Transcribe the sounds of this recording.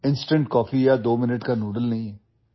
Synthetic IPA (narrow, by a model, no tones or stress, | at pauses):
ɪ̃nsʈə̃ɳʈkɔːfijad̪oːmɪnəʈkanuːɖəlnɐɦĩɦɛː